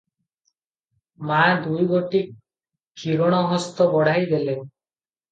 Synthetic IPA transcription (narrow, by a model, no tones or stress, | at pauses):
mad̪ujɡoʈikːʰ | iɾɔɽ̃ɔɦɔst̪ɔbɔɽ̤ʱajɡele